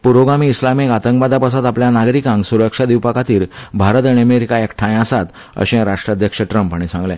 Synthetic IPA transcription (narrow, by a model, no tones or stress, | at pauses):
puɾoɡamiːslamekat̪əŋkbad̪apas̬at̪apljanaɡɾikãŋɡsuɾəkʂad̪iwpakat̪iːɾbʱaɾət̪aɳĩəmeɾikaekʈʰãjasat̪ | ə̰ɕẽɾaʂʈɾad̪ʱjəkʂəʈɾəmpəɳ̃isãŋɡlɛ̃